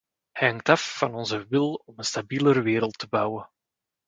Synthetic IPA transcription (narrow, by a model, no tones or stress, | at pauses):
hɛŋk̚tɑfːɑnɔnzəʋɪlˠɔmənstabiːləɾəʋɪːɾəlˠtəbɑwən